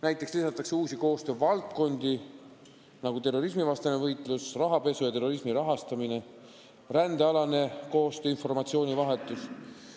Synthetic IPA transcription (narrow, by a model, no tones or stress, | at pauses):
næjt̪ːˑe̞kslisɑt̪ːˑɑkseuːsiko̞ːst̪øːvɑlt̪̚ko̞nd̪̥i | nɑɡ̥ut̪e̞rːo̞ɾismivɑst̪ɑnevɤjt̪ˑlusrɑɦɑpe̞sujɑt̪e̞rːo̞ɾismiɾɑɦɑst̪ɑmine̞ | rænd̪̥eɑlɑne̞ko̞ːst̪øːinfo̞rmɑt̪sio̞ːnʲivɑɦe̞t̪ːˑus